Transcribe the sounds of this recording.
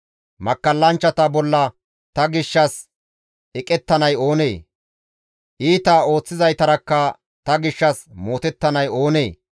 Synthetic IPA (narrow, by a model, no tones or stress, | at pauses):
mɐkːɐlːɐnt͡ʃːɐt̪ɐbɔlːɐ | t̪ɐɡɪʃːɐs | ɛkʼɛt̪ːɐnɐjo̞ːne̞̰ː | ʔiːt̪aːo̞ːt͡sːɪzɐjt̪ɐɾɐkːɐ | t̪ɐɡɪʃːɐsmo̞ːt̪ɛt̪ːɐnɐjo̞ːneː